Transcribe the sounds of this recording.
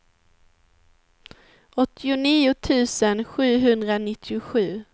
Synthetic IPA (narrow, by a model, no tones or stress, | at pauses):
ʔɔt̪ʰːɪʊniːʊt̪ʰʉ̟ːsənɧʉ̟ːɦɵnd̪ɾanɪt̪ʰːɪʊɧʉ̟ː